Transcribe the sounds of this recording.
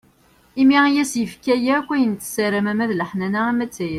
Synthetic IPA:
imijæsjəfkːæjækʷːæjənt̪səɾəmæmæðləħnænææmæt͡sːæjə

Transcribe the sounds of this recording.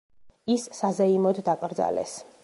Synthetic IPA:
isːazɛimɔd̪d̪akʼɾd̪za̰lɛ̰s

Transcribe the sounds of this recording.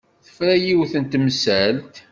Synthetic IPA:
θə̥fɾæjiwθənt̪msælt̪

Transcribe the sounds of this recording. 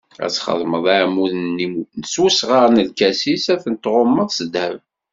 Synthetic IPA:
æ̰t͡sːχə̰ðˤməðˤæʕmuθninəsusʁaɾnəlkæsisæθənt̪ːʁomːəðˤsəd̪æv

